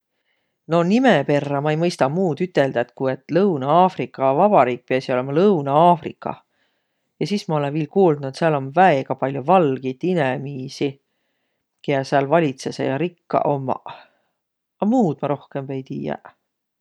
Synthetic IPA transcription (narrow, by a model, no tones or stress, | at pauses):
no̞nimepe̞rːɑmɑejmɤjst̪ɑmuːd̪yt̪ːˑe̞ld̪ɑet̪kue̞t̪ːˑlɤwnɑɑːfrikːˑɑvɑb̥ɑɾiːk̚piɑsio̞le̞mɑlɤwnɑɑːfrḭkːˑɑ̰ | jɑsiːsmɑo̞le̞nviːlkuːlnuet̪seɑlo̞nvæeɡ̥ɑpɑlʲjovɑlɡ̥it̪ːinemiːsi | keɑseɑlvɑlʲit̪se̞sḛjɑɾikːɑ̰ʔo̞mːɑ̰ | ɑmuːd̪̥mɑɾo̞hke̞mve̞jt̪iːjɑ̰